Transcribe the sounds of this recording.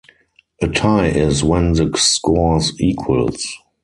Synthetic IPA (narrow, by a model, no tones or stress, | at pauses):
ʔətʰaɪʔɪzwɛ̃nðəskɔziːkʰwə̰lz